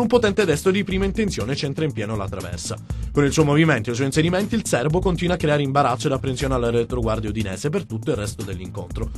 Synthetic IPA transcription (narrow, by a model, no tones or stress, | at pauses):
umpot̪ɛnt̪ed̪ɛst̪od̪ipɾiːmaint̪ent̪sjoːnet͡ʃɛnt̪ɾaimpjɛːnolat̪ːɾavɛ̰rsakonilsɔjmoviment̪oejs̬ɔinseɾiment̪iːlsɛrbokont̪inwakːɾeaːɾeimbaɾat̪sːod̪apːɾensjoːnealːeɾet̪ɾoɡward̪jud̪inɛ̰ːsepert̪ut̪ːoilrːɛst̪od̪elːiŋko̰nt̪ɾo